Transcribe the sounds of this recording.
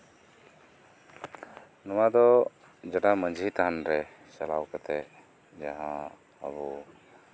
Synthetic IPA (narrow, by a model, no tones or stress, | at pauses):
nɔwad̪ɔ | d͡ʒaʈaməɲd͡ʒʱit̪aɦanɾɛ | salawkat̪ɛ | d͡ʒaɦã | ə̰bu